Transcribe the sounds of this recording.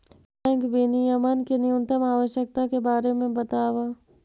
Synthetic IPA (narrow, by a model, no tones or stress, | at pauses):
pɛ̃ːŋkbinijəmənkinijunt̪əmaːʋəʃjək̚t̪akebaːɾemẽbɐt̪aːʋa